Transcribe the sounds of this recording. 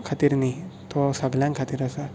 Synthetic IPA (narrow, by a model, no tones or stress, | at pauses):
kʰat̪iɾnit̪ɔsəɡljãŋkʰat̪iːɾəsa